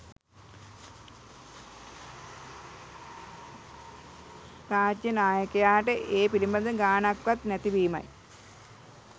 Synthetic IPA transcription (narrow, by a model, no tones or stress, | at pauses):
paːtjɐnaːjɐkːɐjaːʈɨʔeːpiɾimbɐnd̪ɨɡaːɳɐkʋɐt̪nɐt̪ibiːmɐ̰j